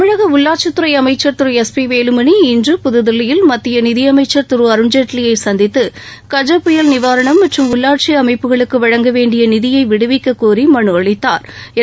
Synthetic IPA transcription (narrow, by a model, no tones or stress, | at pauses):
ɯɻɐɣɐʊɭːaːɾ̚t͡ʃɐt̪ːɯɾɐɪɐmɐɪt͡ʃːɐɾt̪ɯɾɯɛspiʋeːlɯmɐniɪndrɯpʊðɯðɪlːɪjɪlmɐt̪ːɪjɐnɪðɪjɐmɐɪt͡ʃːɐɾt̪ɯɾɯɐɾɯɲd͡ʒɐʈlɪjɐɪsɐnd̪ɪt̪ːɯ | kɐd͡ʒɐpːʊjɐlnɪʋaːɾɐɳɐmːɐʈrɯmʊɭːaːɾʈ̚t͡ʃiɐmɐɪpːɯɣɐɭɯkːɯʋɐɻɐŋɡɐʋeːɳɖɪjɐnɪðɪjɐɪʋɪɽɯʋɪkːɐkːuːrimɐɳɯɐɻɪt̪ːaːɾ